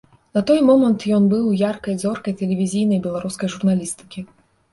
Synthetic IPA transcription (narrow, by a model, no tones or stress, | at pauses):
nɐt̪ɔjmɔmɐnt̪jɔnbɨwjarkɐjd̪zɔrkɐjt̪ɛlʲɛvʲizʲijnɐjbʲɛlˠaɾuskɐjʐurnalʲist̪ɨ̥kʲi